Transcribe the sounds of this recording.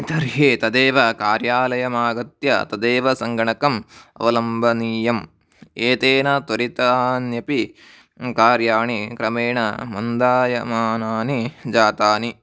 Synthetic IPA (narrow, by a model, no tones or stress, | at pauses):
t̪ɐɾɦeːt̪ɐd̪eːʋɐkaːɾjaːlɐjɐmaːɡɐt̪jɐ̰t̪ɐd̪eːʋɐsɐŋɡɐɳɐkɐmɐ̰ʋɐlɐmbʱɐniːjɐm | eːt̪eːnɐt̪ʋɐɾit̪anjɐpi | kaːɾjaːɳikɾɐmeːɳɐ̰mɐnd̪aːjɐmaːnaːnid͡ʒaːt̪aːni